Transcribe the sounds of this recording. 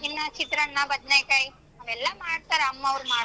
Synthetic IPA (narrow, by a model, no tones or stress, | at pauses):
inːat͡ʃʰit̪ɾəɳːãbəd̪nekaj | ʋɛlːamaɾʈt̪aɾamːaɾma